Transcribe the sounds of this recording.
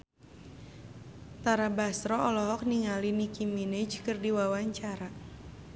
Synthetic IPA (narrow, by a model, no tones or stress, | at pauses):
t̪aɾabast̪ɾɔɔlɔɦɔk̚niŋalinikimined͡ʒkɨrdiwawaɲt͡ʃaɾa